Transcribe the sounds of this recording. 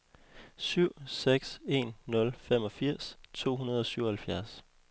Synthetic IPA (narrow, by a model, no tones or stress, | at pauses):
syʊ̰seɡ̥se̝̰nːɔ̽lfem̰ɒ̽fiɐ̰st͡sʰo̝̰ːɦunɐð̞ˠɒ̽syʊ̰ɐhælfjæɐs